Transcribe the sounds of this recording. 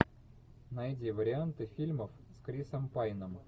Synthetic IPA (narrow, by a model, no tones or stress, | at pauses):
najdʲivəɾʲɪant̪ɨfʲilʲməfskɾʲisəmpajnəm